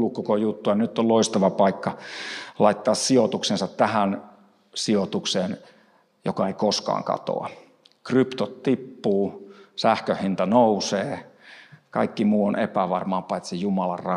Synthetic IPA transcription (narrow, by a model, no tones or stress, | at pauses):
lukkokojut̪ːuɑnyt̪ːolloist̪ɑʋɑpɑikːɑlɑit̪ːɑːssiot̪uksensɑt̪t̪æhæn | siot̪ukseːn | jokɑeikoskɑ̰ːŋkɑ̰t̪o̰ɑ̰ | krypt̪ot̪t̪ipːuːsæhkøhhint̪ɑnouseː | kɑ̰ikːimuːonḛpæʋɑrmɑpɑˑit̪sejumɑlɑ̰rrɑ